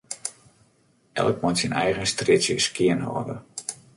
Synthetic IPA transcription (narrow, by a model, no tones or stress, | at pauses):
ʔɛ̰lˠk̚mɔntsinɛjɣənstrɪsjəskɪənɦɔ̰ːdə̰